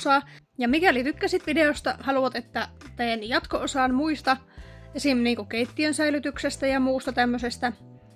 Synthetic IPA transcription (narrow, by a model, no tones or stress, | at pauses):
sɑːjɑmikælit̪ykːæsit̪ʋideost̪ɑhɑluʋɑt̪et̪ːæt̪eːnjɑt̪koosɑːnmuist̪ɑesimniːŋkukeit̪ːiønsæilyt̪yksest̪æjɑmuːst̪ɑt̪æmːøsest̪æ